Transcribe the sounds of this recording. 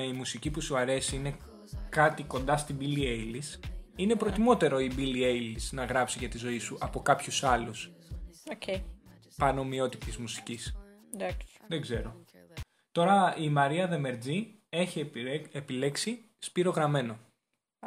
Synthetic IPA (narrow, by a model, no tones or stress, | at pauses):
imusicipusuɐɾe̞siine̞ | kɐt̪iko̞nd̪ɐst̪ibiliejlisine̞pɾo̞t̪imo̞t̪e̞ɾo̞ibiliejlisnɐɣɾɐpsiʝɐt̪izo̞isuʔɐpo̞kɐpçusɐlusoce | pɐno̞mio̞t̪it̪izmusi̥cis | d̪akðeɡze̞ɾo̞ | t̪o̞ɾɐimɐɾiɐðe̞me̞ɾd͡zi | e̞çiepile̞ksi | spiɾo̞ɣɾɐme̞no̞